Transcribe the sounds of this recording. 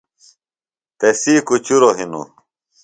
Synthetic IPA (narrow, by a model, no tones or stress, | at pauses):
t̪esiːkut͡ɕuɾoɦinṵ